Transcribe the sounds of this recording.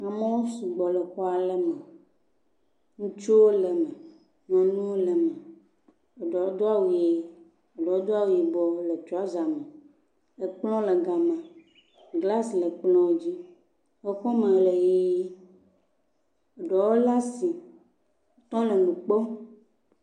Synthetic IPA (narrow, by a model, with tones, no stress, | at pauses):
a˨mẽ˦wo˦su˨ɡ͡bɔ˨lɛ˨xɔ˦a˨lɛ˦mɛ˨ | ŋũ˦t͡ʃo˦wo˦lɛ˨mɛ˨ | mɛ̃˨nũ˦wo˦lɛ˨mɛ̃˨ | e˨ɖɔ˨˦d̪o˦a˦wu˨e˨ | e˨ɖɔ˨wo˦d̪o˦a˦wu˨ji˨bɔ˨˦le˨t͡ʃo˦a˦za˨mẽ˨ | le˨k͡plɔ̃˦le˨ɡa˨mã˨ | ɡla˦slɛ˨k͡plɔ̃˦o˦d͡ʑi˦ | wo˦ɸɔ˦mẽ˨le˨je˦i˦ | e˨ɖɔ˨wo˦la˦si˨˦ | t̪ɔ̃˦le˨nũ˨k͡po˦